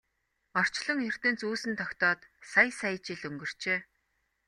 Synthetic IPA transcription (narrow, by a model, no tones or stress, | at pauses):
ɔr̥t͡ɕɮɞ̆ŋɵr̥t̪ɘ̆nt͡suːsɘ̆nt̪ʰɔkt̪ɔːt̪sajsæj̆t͡ɕɪ̆ɮɵŋɡɵ̆r̥t͡ɕeː